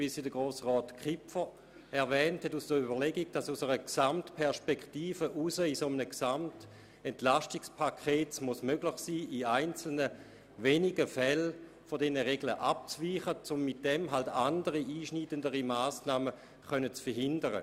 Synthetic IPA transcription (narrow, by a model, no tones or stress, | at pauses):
visidəɡ̥ʁoːsʁɔːtkχɪpfə | ɛɐvɛːnthɛtusd̥əybɐʁlɛɡiɡd̥asusəʁəksamtpʰɛɐʃpɛktiːfəʔusəisomənəksamt | ɛntlaʃtikspʰakʰeːtsmusmøɡlɪχsiːiaɪnt͡sl̩nə | veniɡəfɛl | fodɛnəʁeɡlə̰ʔap̚t͡sviːχət͡sʊmːit̚d̥ɛmɦaltandəʁiʔiːʃniːdəndəʁimaːsnaːmə | χœnət͡sfɐɦɪndəʁə̰